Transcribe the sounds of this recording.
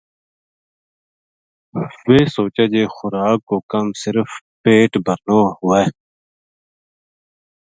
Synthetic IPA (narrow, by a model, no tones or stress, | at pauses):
weːsoːt͡ɕad͡ʑeːxʊɾaːkːokɐmsɪɾf | peːʈbʱɐɾnoːhuwe